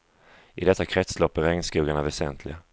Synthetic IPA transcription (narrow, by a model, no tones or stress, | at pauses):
ʔɪd̪ɛt̪ːakʰɾɛt̪slɔpːəɾɛŋnskuːɡaɳavɛsɛnt̪ʰlɪɡa